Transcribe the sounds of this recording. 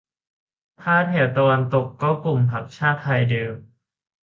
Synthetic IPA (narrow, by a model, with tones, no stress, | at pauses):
t̪ʰaː˥˩t̪̚ʰɛ˨˩˦t̪a˧wa˧nt̪o˨˩kːɔː˥˩ku˨˩mpʰa˨˩k̚t͡ɕʰaː˥˩t̪ʰːa˧jdeː˧m